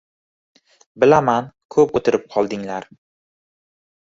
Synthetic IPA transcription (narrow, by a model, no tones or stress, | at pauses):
bɪlamankʰɵpot̪ʰɪɾɪp̚qʰɒlˠd̪ɪŋlaɾ